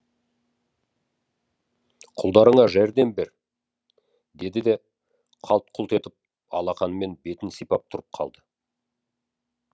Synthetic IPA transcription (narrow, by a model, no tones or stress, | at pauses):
qʰʊlˠd̪ɑɾəɴɑʒæɾd̪e̞mbeɾ | d̪e̞d̪ɪd̪e̞ | qʰɑlˠt̪̚qʰʊlˠt̪e̞t̪ɪp̚ | ɑ̰lˠɑqɑnəme̞nbe̞t̪ɪnsijpɑp̚t̪ʰʊɾəp̚qʰɑ̰lˠd̪ə